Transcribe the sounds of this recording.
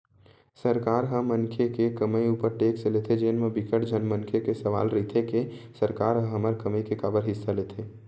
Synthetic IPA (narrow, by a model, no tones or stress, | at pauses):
səɾkaːɾɦə̃mənkʰekekəməjuːpəɾʈeːkselet̪ʰed͡ʒeːnmebɪkəʈd͡ʒʱənmənkʰekesəʋa̰ːlɾit̪ʰekesəɾkaːɾɦə̃ɦəməɾkəmikekaːbəɾɦɪsːalet̪ʰeː